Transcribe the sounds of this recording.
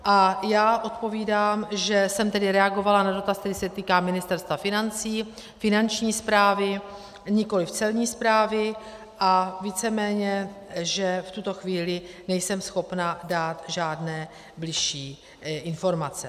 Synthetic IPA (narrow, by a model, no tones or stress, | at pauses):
ʔajaːʔo̞t̪po̞viːdaːmʒɛsɛmt̪ɛdɪɾɛaɡo̞valanado̞t̪ast̪ɛɾɪsɛt̪iːkaːmɪnɪst̪ɛɾst̪vafɪnant͡siː | fɪnant͡ʃɲiːspɾaːvɪ | ɲɪko̞lɪft͡sɛlɲiːspɾaːvɪ | ʔaviːt͡sɛmɛːɲɛʒɛft̪ut̪o̞xviːlɪnɛjsɛmsxo̞pnadaːt̪ʒaːdnɛː | blɪʃiː | ʔɪnfo̞ɾmat͡sɛ